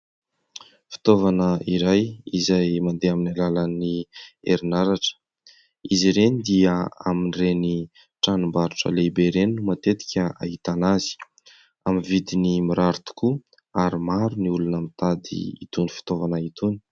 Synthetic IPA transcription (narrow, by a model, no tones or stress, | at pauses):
fi̥t̪ovanəiɾajizajmand̪eaminalalanieɾinaɾaʈ͡ʂə̥ | iziɾenid̪iəaminireni | ʈ͡ʂanumbaɾuʈ͡ʂə̰lebeɾenumat̪et̪i̥kʲəa̰ɦit̪anazi̥ | amivid̪inimiɾaɾut̪u̥ku | aɾimaɾuniulunamit̪ad̪ḭḭt̪unifi̥t̪ovanəit̪uni̥